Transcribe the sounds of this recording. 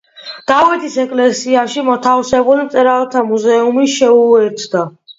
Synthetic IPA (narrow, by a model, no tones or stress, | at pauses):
d̪̥avɛt̪ʰisɛkʼlɛsiaʃimɔt̪ʰafsɛbulimt̪ʼɛɾalˠt̪ʰamuzɛumiʃɛuɛɾt̪ʰd̪a